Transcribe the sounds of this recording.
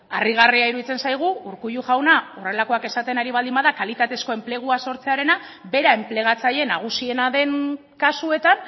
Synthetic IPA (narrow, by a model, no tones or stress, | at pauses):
ariɣ̞ariaiɾuðit͡se̞nsajɣ̞uuɾkuʎuʝawnaore̞lako̞ake̞sat̪e̞naɾiβ̞ald̪imbaðakalit̪at̪e̞sko̞e̞mple̞ɣ̞uaso̞ɾt͡se̞aɾe̞na | be̞ɾae̞mple̞ɣ̞at͡saje̞naɣ̞usie̞naðe̞n | kasue̞t̪an